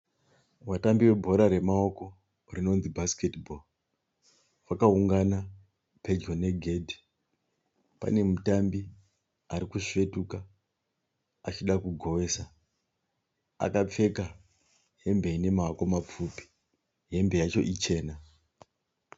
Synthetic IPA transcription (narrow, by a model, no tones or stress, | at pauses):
watambiwe̞bʱo̞ɾaɾe̞mao̞ko̞ | rino̞nzibʱasketbʱol | wakauŋɡana | pʰe̞d͡ʒo̞ne̞ɡʱe̞dʱi | pa̰ne̞mutambi | aɾikuʂe̞tuka | at͡ʃiɗakuɡʱo̞ʋe̞ːsa | a̰kap͡fe̞ka | ɦe̞mbe̞ine̞mako̞map͡fupi̥ | ɦe̞mbe̞jat͡ʃo̞ʔit͡ʃe̞ːna